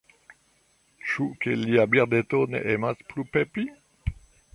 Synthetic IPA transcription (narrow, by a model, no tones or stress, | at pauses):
ʃukeliabiʁd̪et̪onḛʔemasplupepi